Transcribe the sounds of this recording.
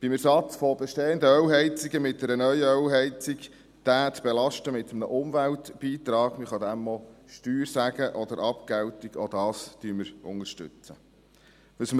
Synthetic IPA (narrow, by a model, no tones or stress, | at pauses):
b̥ɪmæɾsɑt͡sfɔbɛʃteːənd̪əœwɦɛɪt͡siɡəmɪt̚d̥ɛɾənœʏəœwɦɛɪt͡siɡ | d̪̥æːt̪b̥elɑʃtəmɪt̪əmnəʔʊmvæltb̥iːt̪ɾɑːɡ̥məχɑd̪æmːɔʃtyːɾsæɡəʔɔd̪əɾʔɑpkɛwtiɡ̥ɔd̪ɑːstyːməɾʊ̰ŋəɾʃtʏ̰t͡sə | ʋəsm